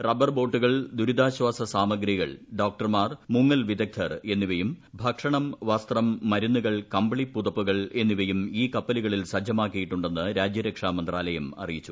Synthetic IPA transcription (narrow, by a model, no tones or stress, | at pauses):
rɐbɐrbo̞ːʈːuɣɐɭd̪uɾud̪aːɕʋaːsɐsaːmɐɡɾiɣɐ̰ɭɖo̞ːk̚ʈɐrmaːrmuŋːɐlʋid̪ɐk̚t̪ʰːɐre̞nːiʋɐjumbʱɐkʂɐɳɐmʋɐst̪rɐmːɐɾunːuɣɐɭkɐmbɐɭipːuðɐpːuɣɐɭe̞nːiʋɐjumiːkɐpːɐliɣɐɭilsɐd͡ʑːɐmaːkːijiʈːuɳɖe̞nːɨɾaːd͡ʑjɐɾɐkʂaːmɐnd̪raːlɐjɐmɐ̰rijit͡ɕːu̥